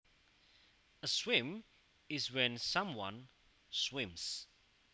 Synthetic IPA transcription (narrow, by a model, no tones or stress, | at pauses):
əswɪ̃m | ɪzwɛ̃nsãmwʌ̰̃n | swɪ̃ms